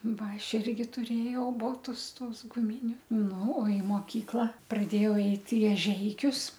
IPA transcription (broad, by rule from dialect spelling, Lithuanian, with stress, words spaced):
ˈʋɐ ˈɐʃ ɪrʲɡʲɪ tʊˈrʲeːjɛʊ ˈboːtʊs ˈtuɔs ɡʊˈmʲɪnʲʊ ˈnʊ ɪ moːˈkʲiːklˠɐ prɐˈdʲeːjɛʊ ˈɛɪt ɪ ɛˈʒʲɛɪkʲʊs